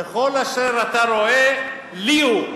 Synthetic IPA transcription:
eχo̞laʃeʁat̪aɾo̞e | liu

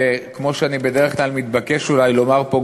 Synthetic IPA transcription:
ekmo̞ʃeanibe̞d̪eʁeχklalmit̪bakeʃulajlo̞maʁpo

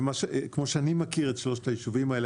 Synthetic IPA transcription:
maʃekmo̞ʃeanimakiʁetʃlo̞ʃe̥t̪ajiʃuvimaele

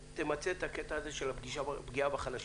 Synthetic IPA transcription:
t̪emat͡seet̪aket̪aːze̞ʃe̞lapɡiʃabɡiabaχalaʃ

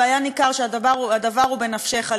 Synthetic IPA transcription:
ajanikaʁʃeadaʁuadavaʁhube̞nafʃeχa

